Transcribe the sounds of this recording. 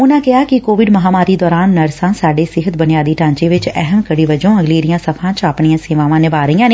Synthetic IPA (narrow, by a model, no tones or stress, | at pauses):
ʊnãːkɪɦaːkikoːʋɪɖmɐɦaːmaːɾid̪ɔːɾaːnːɐɾsãːsaːɖeːsɪɦət̪bənɪjaːd̪iːʈãːɲt͡ʃeʋɪt͡ʃɛɦəmkəɽiːʋəd͡ʒõːɐɡleːɾijãːsɐpʰãːt͡ʃaːpɳijãːseːʋaːʋãːnɪʋaːɾəijãːneː